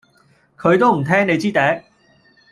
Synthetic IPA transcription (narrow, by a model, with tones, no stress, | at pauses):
kʰɵ˨˧˥ɥt̪o˥wm̩˨˩t̪ʰɛː˥ŋne˨˧jt͡siː˥t̪ɛ˨˥